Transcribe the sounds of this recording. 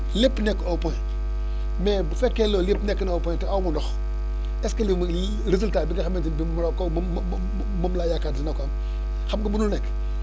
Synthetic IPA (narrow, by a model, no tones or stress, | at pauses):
lepːnekopoj | mebfekːelolepnekːnopontabunox | eskalim | ɾizultabiɡaxamend͡ʒibimɾoko | mamlajakadinakʷam | xamɡabununek